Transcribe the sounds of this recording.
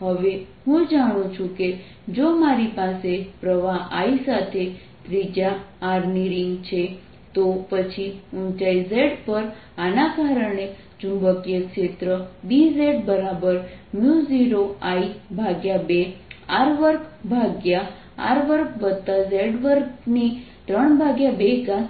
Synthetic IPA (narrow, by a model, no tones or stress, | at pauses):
ɦəʋe | ɦũd͡ʒaɽ̃ũt͡ʃʰũke | d͡ʒomaɾipasepɾəʋaʔaisat̪ʰe | t̪ɾid͡ʒaːɾniɾiŋɡt͡ʃʰe | t̪opət͡ʃʰiũnt͡ʃaizeɖpəɾ | anakaɾəɳe | d͡ʒumbəkjəkʃet̪ɾəbizeɖbəɾabəɾmjuziɾoaibʱaɡjabeaɾʋəɾkbʱaɡja̰ː | ɾʋəɾkʋəd̪t̪azeɖʋəɾkni | t̪ɾəɳbʱaɡjabeɡa